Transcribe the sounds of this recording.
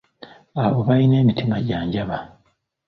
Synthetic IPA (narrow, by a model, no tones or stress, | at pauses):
aoβaine̞ːmitimaɟaːɲɟaβa